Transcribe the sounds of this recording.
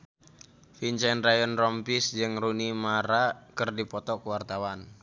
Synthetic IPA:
fint͡ʃɛnrajɔnrɔmpisd͡ʒɨŋrunimaɾakɨrdipɔt̪ɔkwart̪awan

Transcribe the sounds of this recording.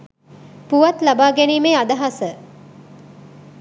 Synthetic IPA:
puʋɐt̪labaːɡæniːmeːad̪ɐɦasə

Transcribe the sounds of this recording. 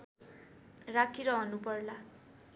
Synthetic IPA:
rakʰiɾʌɦʌnupʌrla

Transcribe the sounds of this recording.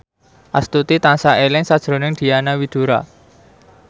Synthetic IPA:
ʔast̪ut̪it̪ansaelɪŋsad̥ʒ̥ɾo̤nɪŋd̪̥i̤anawid̪̥o̤ɾa̰

